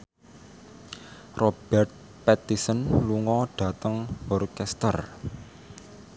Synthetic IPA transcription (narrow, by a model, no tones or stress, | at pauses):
rʔob̥ɛrt̪̚ | pɛt̪isənluŋɔɖ̥a̤t̪əŋɔrkɛst̪ər